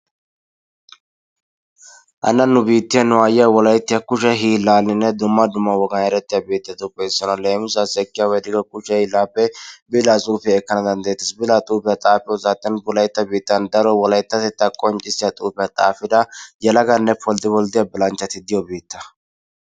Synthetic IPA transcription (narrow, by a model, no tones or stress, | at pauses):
ʔɐ̰nːɐnːʊbiːt̪ːɪjɐnʊaːjɪjɐwɔlɐjɪt̪ːɪjɐkʊʃɐɦiːlaːlːɪnːɛd̪ʊmːɐd̪ʊmːɐwɔɡɐnɛɾɛt̪ːɪjabeːt̪ːɐt̪ʼʊpʼːɛːsɔnɐleːmʊs̬asɛkːɪjawɛd̪ɪɡɐkʼʊʃɛhɪlːaːpːɛbɪlasʼuːfɪjɐɛkːɐnɐd̪ɐnd̪ɐjɛt̪ːɪsbɪlat̪ʼuːpɪjɐt̪ʼaːfɪɔzaːt̪ʼːɪɐnbʊlɐjt̪ːɐbiːt̪ːɐnd̪ɐɾɔwɔlɐjt̪ːɐt̪ɛt̪ːɐkʼɔnt͡ʃʼːɪsːɪjat̪ʼuːpɪjat̪ʼaːfɪd̪ɐjɛlɐɡɐnːɛpʰɔld̪ɪbɔld̪ɪjabɪlɐnt͡ʃːɐt̪ɪd̪ɪjɔbeːt̪ːɐ